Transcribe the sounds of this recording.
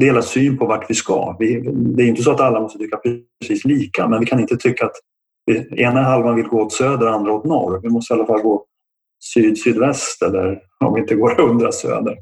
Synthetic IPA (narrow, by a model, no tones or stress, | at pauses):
d̪ɛheːlasyːnpʰɔvaʈːvɪska̰vɪd̪ɛæɾʏɪnt̪əsɔat̪alːamɔst̪ət̪ʰʏkːapʰɾɛ | siːsliːka̰mɛnvɪkʰanɪnt̪ət̪ʰʏkːaːt̪ | vɪeːnɛɦalvanvɪlɡoːoːt̪søːd̪əɾand̪ɾaot̪nɔ̰ɾvɪmɔst̪əalːafalːɡoː | syːd̪syːd̪vɛst̪ɛlːə̰ɾ | ɔ̰mvɪɪnt̪əɡoːɾɵnd̪ɾasø̰ːd̪əɾ